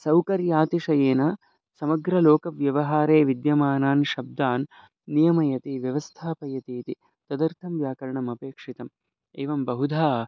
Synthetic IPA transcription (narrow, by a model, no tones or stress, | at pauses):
sɐwkɐɾjaːt̪iʂɐjeːnaː | sɐmɐɡɾɐloːkɐʋjɐʋɐɦaːɾeːʋid̪jɐmaːnaːnʃɐb̚d̪aːnː | ijɐmɐjɐt̪iʋjɐʋɐst̪ʰaːpɐjɐt̪iːt̪i | t̪ɐd̪ɐɾt̪ʰɐmʋjaːkɐɾɐɳɐmɐpeːkʂit̪ɐm | eːʋɐmbɐɦud̪ʱaː